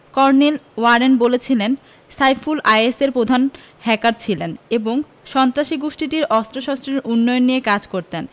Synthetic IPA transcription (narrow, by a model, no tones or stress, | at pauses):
kɔɾnelwaɾenbolet͡ɕʰilen | sajfulajeseɾpɾod̪ʱan | hɛkaɾt͡ɕʰileneboŋ | ʃɔnt̪ɾaʃiɡoʃʈiʈiɾɔst̪ɾoʃɔst̪ɾeɾʔunːɔjonːijekad͡ʑkoɾt̪en